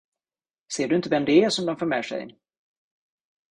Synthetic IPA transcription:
seːɖɵɪnt̪əvɛmd̪ɵæʂɔmd̪ɔmfoːɾmɛ̰ːʂɛ̰j

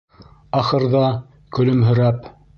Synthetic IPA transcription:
ɑχɤ̆ɾðɑ | kɵ̆lɵmɦɵ̆ɾæp

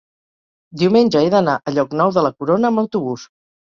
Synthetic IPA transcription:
d̪iwmenʲd͡ʒəeðənaʔəʎɔknɔwðələkuɾonəəmbəwt̪uβus

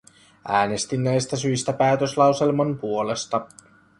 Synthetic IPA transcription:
ʔæːne̞st̪inːæjst̪æsyjst̪æpæːt̪øslɑwse̞lmɑmpuo̞le̞st̪ɑ

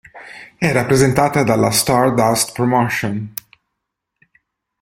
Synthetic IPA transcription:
ɛrapɾezent̪aːt̪ad̪alːast̪aɾd̪ast̪pɾomoʃon

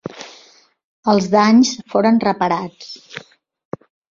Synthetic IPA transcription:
əlˠzðaɲsfoɾənrəpəɾat͡s

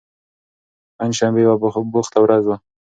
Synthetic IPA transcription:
panʃambewabʊxt̪awɾazwa

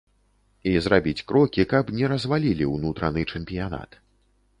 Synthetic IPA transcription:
izɾabʲit͡sʲkɾɔkʲikɐbnʲɛɾɐzvalʲilʲiwnut̪ɾɐnɨt͡ʂɛmpʲijana̰t̪

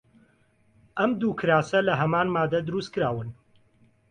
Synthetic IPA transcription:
ʔɐmd̪uːkʰɨɾaːsɐlɐɦɐmaːnmaːd̪ɐd̪ɨɾust̪̚kɨɾaːwɨn

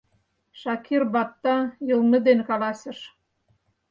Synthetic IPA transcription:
ʃɑkʰirbɑt̚t̪ːɑjɤ̆lˠnɤ̆d̪enkɑlɑsə̆ʃ

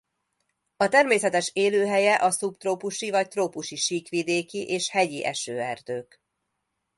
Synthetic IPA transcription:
ɒt̪ɛrmeːsɛt̪ɛʃeːløːɦɛjɛʔɒsupt̪roːpuʃivɒct̪roːpuʃiʃiːkʋid̪eːkiʔeːʃhɛɟiʔɛʃøːɛrd̪øːk

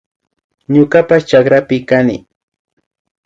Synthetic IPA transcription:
ɲʊkapast͡ʃakɾapɪkanɪ̰

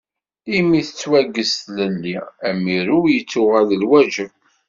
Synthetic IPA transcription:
imiθə̥t͡sːwæɡːəst̪ləlːiæmːiɾʊjət͡sːʊʁæðəlwæd͡ʒəv

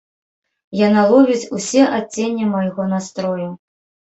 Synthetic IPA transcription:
janalˠɔvʲit͡sʲusʲɛʔat͡sʲːenʲːɛmajɣɔn̪ast̪ɾɔju

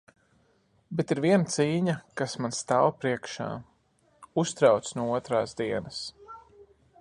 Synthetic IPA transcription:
bɛt̪iɾviɛnat̪siːɲakasmanst̪aːwpɾiɛkʃa̰ː | ust̪ɾawt̪snuɔuɔt̪ɾaːsd̪iɛnɐs

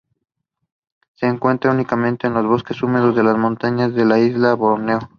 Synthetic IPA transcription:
se̞ːŋkwe̞nt̪ɾaunikamẽ̞nt̪e̞ːnlo̞zβo̞ske̞sume̞ðo̞zðe̞lazmõ̞nt̪aɲazðe̞laizlaβoɾneo

